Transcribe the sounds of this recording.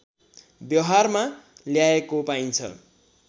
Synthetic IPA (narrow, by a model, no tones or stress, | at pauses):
bjʌɦarmaljaekopaint͡sʰʌ̰